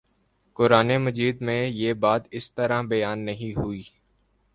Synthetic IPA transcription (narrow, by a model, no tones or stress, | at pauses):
kʊɾaːneməd͡ʒiːd̪mẽjeːbaːt̪ɪst̪əɾãbɐjaːnːɐɦĩɦʊiː